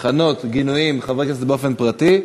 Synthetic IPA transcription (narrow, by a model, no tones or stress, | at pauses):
χano̞t̪ɡinujimχavkas̬beofe̞npʁat̪i